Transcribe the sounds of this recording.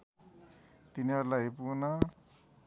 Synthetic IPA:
t̪inialajpuna

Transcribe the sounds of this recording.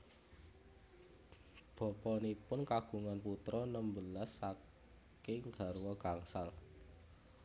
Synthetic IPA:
b̥ɔ̤pɔnipʊnkaɡ̥ṳŋanput̪ɾɔnəmbəlasːa | kɪŋɡ̥a̤rwɔɡ̥aŋsal

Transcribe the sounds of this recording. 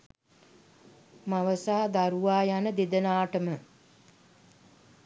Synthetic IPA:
maʋəsaːd̪aɾuʋaːjanəd̪ed̪ənaːʈəmə

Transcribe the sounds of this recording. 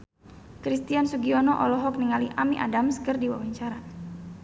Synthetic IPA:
kɾist̪iansuɡiɔnɔʔɔ̰lɔɦɔk̚niŋaliʔamiʔa̰damskərdiwa̰waɲt͡ʃaɾa

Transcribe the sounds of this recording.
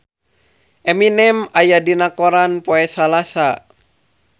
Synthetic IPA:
ʔɛminɛmajadinakɔɾanpɔɛsalasa

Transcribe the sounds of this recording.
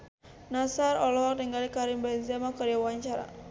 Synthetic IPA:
nasaɾɔlɔɦɔniŋɡalikaɾimbɛnzemakaɾawaɲt͡ʃaɾa̰

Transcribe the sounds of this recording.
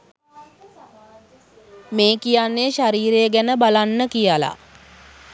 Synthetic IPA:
meːkijanːeʃaɾiːɾeəɡænəbalanːəkijala̰

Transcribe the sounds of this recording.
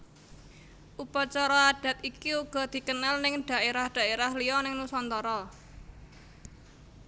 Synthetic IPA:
ʔupat͡ʃɔɾɔaɖ̥ä̤t̪̚ikiuɡ̥ɔ̤d̪̥i̤kənalnɪŋɖ̥a̤ʔeɾahɖ̥a̤eɾahlijɔnɪŋnusɔnt̪ɔɾɔ

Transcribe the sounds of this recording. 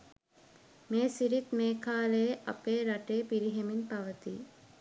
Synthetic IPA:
meːsiɾit̪meːkʰaːleeʔa̰peːɾaʈeːpiɾiɦeminpaʋət̪ḭ

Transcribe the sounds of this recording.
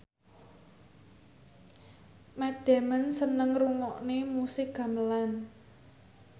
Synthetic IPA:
mɛd̪̥a̤mənsənəŋruŋɔʔnemusɪk̚ɡ̥ä̤məlan

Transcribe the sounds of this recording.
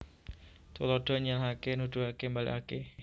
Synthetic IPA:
t̪ulɔɖ̥ɔ̤ɲalɦakenud̥ṳhakembalḭʔake

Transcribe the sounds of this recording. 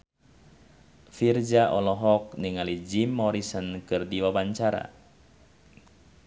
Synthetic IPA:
fird͡ʒaʔɔlɔɦɔk̚niŋalid͡ʒimːɔɾisənkɨrdiwabaɲt͡ʃaɾa̰

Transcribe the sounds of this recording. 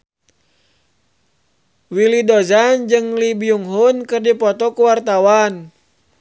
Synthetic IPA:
wilidɔzand͡ʒɨŋlibiuŋɦunkɨrdipɔt̪ɔkuwart̪awan

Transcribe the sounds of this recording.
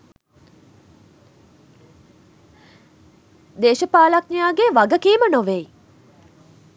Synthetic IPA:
d̪eːʃəpaːlak̚nijaːɡeʋaɡəkiːmənoʋej

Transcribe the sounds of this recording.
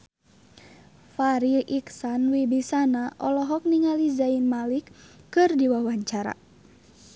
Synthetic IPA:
faɾiʔiksanwibisanaʔɔlɔɦɔk̚niŋalizainmalikːɨrdiwawaɲt͡ʃaɾa̰

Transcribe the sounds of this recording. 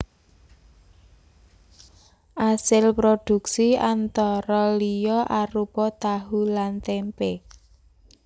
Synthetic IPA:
ʔasɪlpɾod̪̥ṳksiant̪ɔɾɔlijɔʔaɾupɔt̪aɦulant̪ɛmpe

